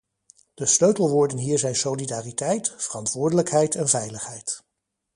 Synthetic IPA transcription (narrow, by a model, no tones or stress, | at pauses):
d̥əsløɥtəl̩ˠʋʊːɹdənɦiːɹzɛjnsowlidaːritɛjtfərɑntʋʊːɹdələkɦɛjtɛnvɛjləχɦɛjt